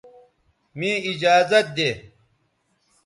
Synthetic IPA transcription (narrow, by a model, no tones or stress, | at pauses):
mĩːid͡ʑaːzɐt̪̚d̪eː